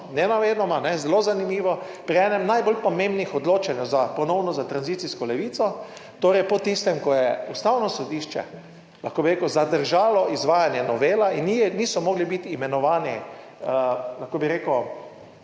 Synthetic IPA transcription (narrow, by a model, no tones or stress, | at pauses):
nɛnaʋed̪nɔmanɛzɛlozanimiːʋɔ | pɾiɛːnɛmnajbolpɔmẽmbnixɔd̪loːt͡ʃanjɛwzapɔnɔwnɔzat̪ɾanzit̪siskɔlɛʋiːt̪sɔ | t̪oːɾɛjpɔt̪ist̪ɛmkɔjɛust̪awnɔsɔd̪iːʃt͡ʃɛ̰ | laxkoːbiɾekəwzad̪əɾʒaːlɔizʋaːjanjɛnɔʋeːlainniːsɔmoːɡlibit̪ːmɛnɔʋaːni | laxkobiɾeːkəw